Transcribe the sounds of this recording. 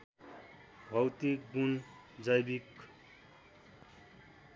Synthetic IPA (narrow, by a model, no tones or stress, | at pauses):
bʱʌwt̪ik̚bun | d͡zʌjbik